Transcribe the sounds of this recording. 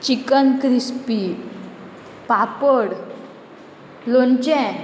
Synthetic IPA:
t͡ɕikənkɾispi | papəɽ | lont͡ɕɛ̃

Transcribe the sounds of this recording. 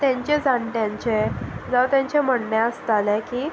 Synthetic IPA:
t̪jãɲt͡ɕed͡zaɳʈjãɲt͡ɕed͡zaʋt̪jãɲt͡ɕem̤əɽnjaəst̪alɛkiː

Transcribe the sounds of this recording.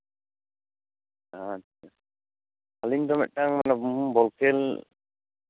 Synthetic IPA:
atːʰa | aliɲd̪ɔmɛ̰ʔ̚ʈaŋmanabɔlkɛl

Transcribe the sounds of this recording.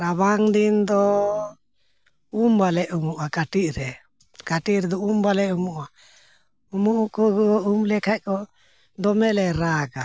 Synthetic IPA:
ɾaβaŋd̪ind̪ɔ | umbalɛʔumuʔakaʈiʔɾɛ | kaʈiʔɾɛd̪ɔumbalɛumuʔa | umuukɔɡuɔumlɛkakɔ | d̪ɔmɛlɛɾaɡa

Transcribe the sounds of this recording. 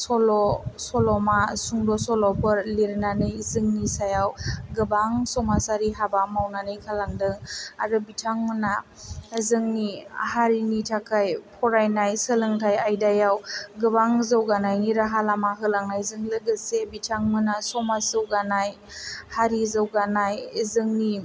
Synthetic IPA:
sɔlɔsɔlɔmasuŋdɔsɔlɔpʰɯɾliɾnanɯjzɯŋnisajawɡɯbaŋsɔmasaɾiɦabamawnanɯjkʰalaŋdɯŋaɾɯbitʰaŋmɯna | zɯŋnihaɾinitʰakʰajpʰɔɾajnajsɯlɯŋtʰajajdajawɡɯbaŋzawɡanajniɾaɦalamaɦɯlaŋnajzɯŋlɯɡɯsebitʰaŋmɯnasɔmasɯwɡanaj | haɾizawɡanajzɯŋni

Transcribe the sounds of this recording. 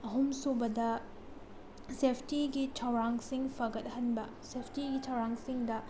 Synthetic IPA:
ɐɦumsobɐdɐ | sepʰtiɡit͡ʃʰawɾaŋsiŋpʰɐɡɐt̚hɐnbɐ | sepʰtiɡit͡ʃʰawɾaŋsiŋdɐ

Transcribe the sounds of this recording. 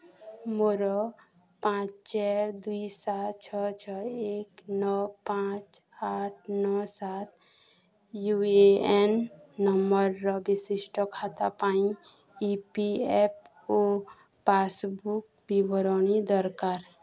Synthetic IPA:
moɾɔpãt͡ʃt͡ʃɛɾd̪uisat̪t͡ʃʰɔt͡ʃʰɔeknɔpãt͡ʃaʈʰnɔsat̪̚ʰ | jueenːɔməɾːɔbisisʈɔkʰat̪apaĩipiep̚o | pasbukbibɔɾɔnid̪ɔɾkaɾ

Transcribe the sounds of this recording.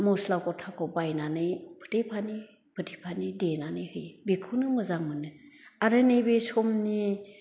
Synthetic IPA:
moslawkɔtʰakʰɔbajnanɯjpʰɯ̥tʰipʰani | pʰɯtʰipʰanidenanɯjhɯjbikʰunɯmɯzamɯnɯaɾɯnebesɔmni

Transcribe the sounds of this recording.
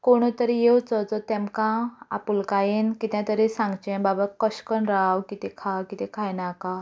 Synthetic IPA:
koɽ̃ut̪əɾijewt͡sət͡sət̪emkãa̰pulkajenkit̪jãt̪əɾesãŋɡt͡ɕẽbabakəɕkənɾawkit̪ekʰawkit̪ẽkʰajnaka

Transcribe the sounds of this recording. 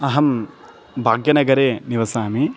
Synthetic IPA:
ɐɦɐm | bʱaːɡjɐnɐɡɐɾeːniʋɐsaːmi

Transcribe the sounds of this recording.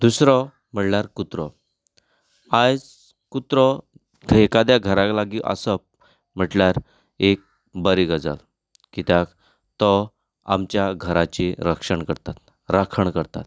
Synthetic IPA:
d̪usɾɔ | m̤əʈnaɾkut̪ɾɔ | ad͡z | kut̪ɾɔ | ɡʰʱekad̪jaɡʱəɾãklaɡiʔə̰səp | m̤əʈljaɾ | ek̚ | bəɾiɡəd͡za̰l | kit̪jak | t̪ɔ | a̰mt͡ɕjaɡʱəɾat͡ɕiɾəkʂəɳkəɾt̪at̪ | ɾakʰəɳkəɾt̪a̰t̪̚

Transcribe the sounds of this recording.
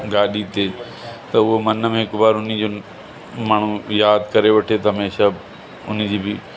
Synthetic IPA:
ɡaːɗit̪e | t̪ɐʊɦomɐnəmẽɦɪkbaːɾʊnid͡ʑo | maːɳ̤̃ũjaːd̪kɐɾeʋɐʈʰet̪ɐɦɐmeːʃa | ʊnid͡ʑiːbɪ

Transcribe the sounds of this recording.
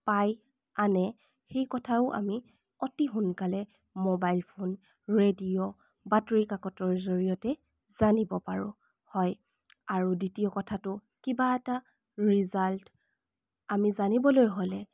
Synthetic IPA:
paj | anɛ | xejkɔtʰaʊʔa̰mi | ɔtiɦʊnkalɛ | mobajlpʰon | ɹedio | batɹikakɔtɔɹzoɹijɔtɛ | z̥anibɔpaɹʊ̰̃ | hɔj | aɹuditijɔkɔtʰatʊ | kibaɛta | ɹizalt | amizanibɔlojɦolɛ

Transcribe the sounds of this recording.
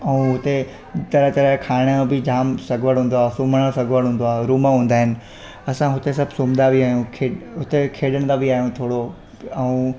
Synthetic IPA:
ɛũɦʊt̪e | t̪ɐɾət̪ɐɾəkʰaːɪɽ̃ə̃bɪd͡ʑaːmsɐɡʋəɽɦũːnd̪oaːsuːməɽəsɐɡʱʋəɽɦũːnd̪oaːɾuːmaɦũːnd̪aːɦɪnɪ̆ | ɐsãɦʊt̪es̬ɐbʱsuːmd̪abʱiaːɦijũkʰeːɦʊt̪ekʰeːɗəɽ̃d̪abiaːɦijũt̪ʰoːɽo | ɐũ

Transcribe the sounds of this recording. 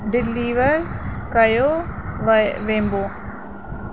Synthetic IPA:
ɖɪliːʋəɾkɐjo | ʋẽːmboː

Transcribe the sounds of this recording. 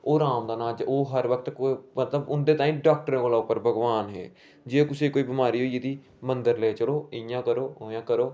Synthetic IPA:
oːɾaːmd̪aːnãːd͡ʒoːɦəɾʋək̚t̪kmət̪ləbʊnd̪eːt̪aːĩːɖaːk̚ʈəɾẽːkoːlaːʊpːəɾbʱəɡʋaːnɦḛː | d͡ʒeekʊseːkoːiːbɪmaːɾiːɦoːiːed̪iː | mənd̪əɾləeːt͡ʃəɽoːɪjãːkəɾoːoːjãːkəɾoː

